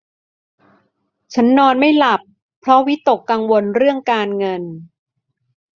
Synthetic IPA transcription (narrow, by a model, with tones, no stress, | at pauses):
t͡ɕʰa˦˥nːɔː˧nma˥˩jla˨˩pʰː | ɾɔ˦˥wi˦˥t̪ːo˨˩kːa˧ŋwo˧nɾɯ˥˩əŋkaː˧nŋɤ˧n